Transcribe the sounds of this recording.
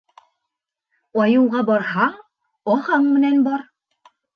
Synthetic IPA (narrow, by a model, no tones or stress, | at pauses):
ɑjɤ̆wʁɑbɑɾhɑ | ɒhɑɴmɘ̆nænbɑɾ